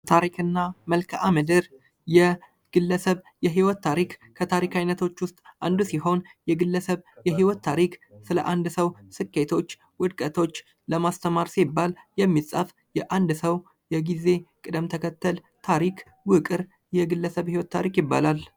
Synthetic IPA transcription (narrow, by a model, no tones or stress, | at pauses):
t̪ʰaɾikʰɨnːaməlkʰʔamɨd̪ɨɾ | jɛ | ɡ̥ɨlːəsəβ | jɛɦiwɔt̪ːʰaɾikkʰət̪ʰaɾikʰajnət̪ʰo̞t͡ʃːwʊst̪ʼʔand̪usiɦo̞njɛɡɨlːəsəβjɛɦiwɔt̪ːʰaɾiksɨləʔand̪səwsɨkʰʼːe̞t̪ʰo̞t͡ʃː | wʊd̪kʼət̪ʰo̞t͡ʃː | ləmast̪ʰəmaɾsibːaljɛmːisʼəf | jɛʔand̪səw | jɛɡize̞kʼɨd̪əmt̪ʰəkʰət̪ʰːəl | t̪ʰaɾikʰ | wɨkʼɨɾ | jɛɡɨlːəsəβhiwɔt̪ːʰaɾikjɪbːa̰lal